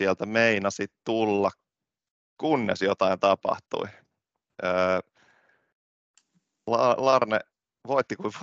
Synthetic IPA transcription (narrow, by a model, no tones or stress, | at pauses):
iælt̪æmeinɑsit̪t̪ulːɑk | kunːḛsjot̪ɑint̪ɑpɑ̰ht̪ṵi | əː | lɑlɑrnḛ | ʋoit̪ːikui